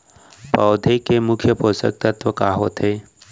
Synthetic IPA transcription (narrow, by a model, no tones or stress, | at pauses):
pɔːʊd̪ʱekemʊkʰjəpoːsə̰k̚t̪ət̪wəkaːɦot̪ʰeː